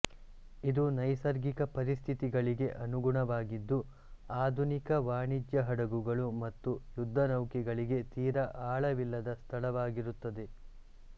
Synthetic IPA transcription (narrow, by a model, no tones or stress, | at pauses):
id̪unɐjsɐɾɡikɐpɐɾist̪ʰit̪iɡɐɭiɡe̞ʔɐnuɡuɳɐʋaːɡid̪ːu | aːd̪ʱunikɐʋaːɳid͡ʒjɐɦɐɽɐɡuɡɐɭumɐt̪ːujud̪ʱːɐnɐwkiɡɐɭiɡe̞t̪iːɾɐʔaːɭɐʋilːɐd̪ɐst̪ʰɐɭɐʋaːɡiɾut̪ːɐd̪e̞